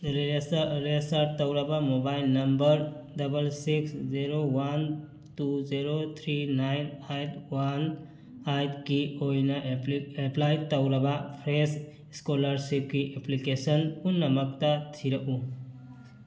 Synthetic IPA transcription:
ɾesɾesaɾt̪əwɾɐbamobajlnɐmbəɾdɐbəlsiksziɾowan | tuziɾot̪ʰɾinajnajt̪wan | ajt̪kiojnaʔeplajt̪əwɾɐbapʰɾes | skoləɾsip̚kiʔeplikesənunːɐməkt̪at̪ʰiɾɐʔu

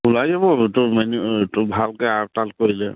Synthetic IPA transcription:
ulajzabɔtʊmɛnutʊbʱalkɛaɹtalkoɹilɛ

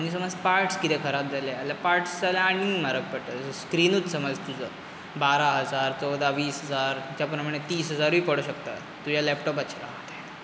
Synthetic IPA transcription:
añis̬əməd͡zpaɾʈskit̪ɛkʰəɾat̪̚d͡zʱalealjapaɾʈsd͡zaljaːɽ̃imaɾək̚pəʈ̪əsəskɾinuːt͡ssəməd͡zt̪ud͡zə | baɾaɦəd͡zaɾt͡sɔwd̪aʋiːsɦəd͡zaɾt͡ɕjapɾəməɽ̃et̪iːsɦəd͡zaɾiːpəɽ̤uɕəkt̪a̰ | t̪ud͡ʑjalɛpʈɔp̬atɕʰiɾaɦt̪a

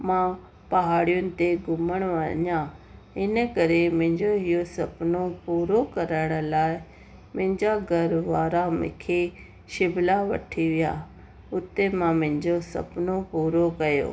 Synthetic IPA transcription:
mã | pɐɦaːɽijʊnɪ̆t̪eɡʊməɽ̃oɐɲã | ɪnə̆kɐɾemʊ̃ɦɪ̃ɲd͡ʑoɦijosɐpnopuːɾokɐɾəɽ̃ə̆laːɪ | mʊ̃ɦɪ̃ɲd͡ʑaɡʱɐɾʋaːɾamɪ̰̃kʰe | ʃɪbʱlaʋɐ̰ʈʰiʋija̰ | ʊt̪emãmɐ̃ɦɪ̃ɲd͡ʑosɐ̰pnopuːɾokɐjo̰ː

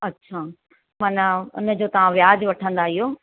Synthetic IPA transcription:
ɐtːɕʰaː | maːnaʊ̰nə̆d͡ʑoːt̪ɐʋ̤ãʋjaːd͡ʑʋɐʈʰə̃nd̪aɦɪjoː

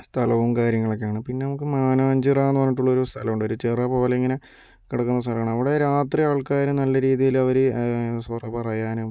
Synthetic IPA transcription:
st̪ʰɐlɐʋumkaːɾjɐŋːɐɭokːeaːɳɨpinːe̞nɐmukːɨmaːnɐɐɲd͡ʑiraenːɨʋɐnːiʈ̬ːuɭːɐoɾust̪ʰɐlɐmuɳɖo̞ɾut͡ɕirɐpoːlɐiŋːɐne | kiɽɐkːunːɐst̪ʰɐlɐʋːɳmɐʋiɽe̞ɾaːt̪riaːɭkaːɾunɐlːɐɾiːðijilɐʋɐɾesʋɐrɐpɐrɐjaːnu

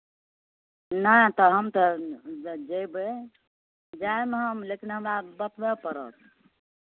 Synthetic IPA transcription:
nəjt̪əɦəmt̪ə | d͡ʒejbe | d͡ʒaemeɦəmlekinɦəmɾabət̪bepəɾə̰t̪̚ʰ

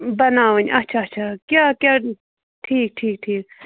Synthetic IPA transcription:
banawəɲʔaht͡ʃʰaaht͡ʃʰakʲakʲa | ʈʰik̚ʈʰiːk̚ʈʰiːk̚

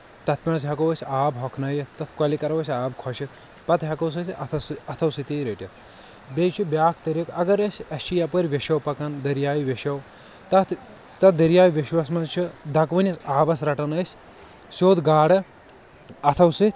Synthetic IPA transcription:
t̪ɐt̪ʰpʲiɳsɦʲɐkɐwɐsʲaːbɦɔkʰnɐjɐt̪ɐt̪ʰkɐlikɐɾɐwɐsʲaːbkʰɔʃik̪ | pɐt̪ɦʲɐkɐws̬ɐsʲɐt̪ʰsɐt̪ʰɐwsit̪iːɾeʈʲɐt̪ʰ | bʲet͡ʃʰibʲjaːkʰt̪ɐɾʲikɐɡɐɾɐsʲɐst͡ʃʰijɐpɐɾʲʋʲeʃɐwpɐkɐnd̪ɐɾjaːjʋʲeʃɐw | t̪ɐt̪ʰ | t̪ɐt̪̚d̪ɐɾijaːjʲiʋiʃwɐs̬mɐnt͡ʃʰid̪ɐkʋɐnʲɐsaːbɐsɾɐʈɐnɐsʲ | soːd̪ɡaːɽɐ | ɐt̪ʰɐwsit̪ʰʲ

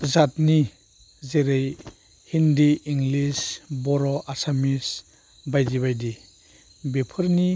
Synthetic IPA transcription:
zat̚ni | zeɾej | hindiːŋɡlisbɔɾɔʔasamis | bajdiβajdi | bepʰəɾni

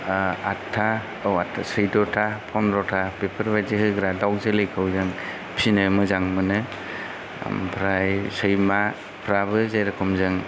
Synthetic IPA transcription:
atʰːa | awatʰasɯjdɔtʰapʰɔnɾɔtʰapepʰɯɾbajdiɦɯɡɾadawk̚zɯlɯjkʰɯwzɯŋ | pʰinɯmɯzaŋmɯnɯ̰ | pʰɾajsɯjma | pʰɾabɯzajɾakʰɔmzɯŋ

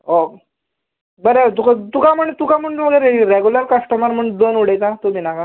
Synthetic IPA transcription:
o | bəɾet̪ukat̪ukam̤əɳːt̪ukam̤əɳməɡəɾeɾeɡuləɾkəsʈəməɾm̤əɳd̪onuɽet͡sat̪ominaka

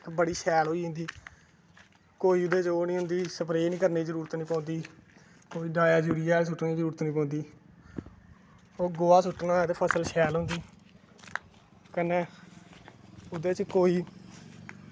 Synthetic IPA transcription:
kbəɽiːʃɛːlɦoːiːɦʊ̃nd̪iː | koːiːʊd̪eːt͡ʃoːnĩːɦʊ̃nd̪iːsəpɾeːnĩːkəɾneːd͡ʒəɾuːɾət̪nĩːpɔ̃ːnd̪iː | koːiːɖaːjaːd͡ʒuːɾiːaːs̬ʊʈneːd͡ʒəɾuːɾət̪nĩːpõːnd̪iː | oːɡoːaːsʊʈnaːt̪eːpʰəsəlʃɛːlɦʊ̃nd̪iː | kəneː | ʊd̪eːt͡ʃkoːiː

